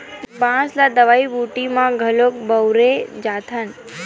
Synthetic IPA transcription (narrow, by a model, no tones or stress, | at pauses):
bãslad̪əʋaibuʈimãɡʱəlok̚bəwɾed͡ʒat̪ʰən